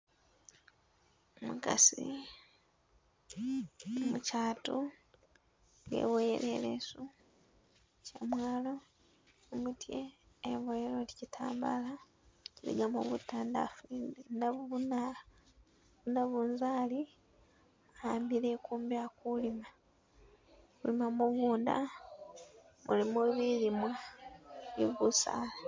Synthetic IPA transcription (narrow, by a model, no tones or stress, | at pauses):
omuka̰sḭ | nomucaːtu | ŋɡe̞̰βojḛɾelḛsu | cemwaːlo̞ | mutʰjeː | βojeɾo̞licitʰa̰ːmbala | cilḭɡamoβutaːnda̰fuinaβuβuna | βunaβunzaːli | aːmbiɾekuːmbjakulima | kulimamuβuːnda̰ | mulimuβiɾimwa | ḭβusa̰la